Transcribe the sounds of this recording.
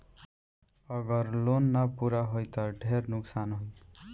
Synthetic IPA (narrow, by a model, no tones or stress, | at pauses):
ʌɡʌɾlonːapuɾaɦojt̪ʌɖʱeɾnʊksanɦoj